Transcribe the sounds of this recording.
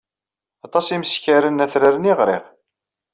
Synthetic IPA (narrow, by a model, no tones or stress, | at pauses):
ɑt̪ˤɑsiməsçaɾənæθɾaɾəniʁɾɪ̰ʁ